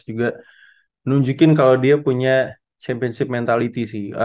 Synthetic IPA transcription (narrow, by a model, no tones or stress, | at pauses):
d͡ʒuɡa | nuɲd͡ʒukɪnkalawdiapuɲa | t͡ʃɛmpiɔnsɪp̚mɛnt̪alit̪isɪhə